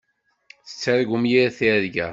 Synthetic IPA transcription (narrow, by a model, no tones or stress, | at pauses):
θə̥t͡sːæɾɡumjiɾθiɾɡæ̰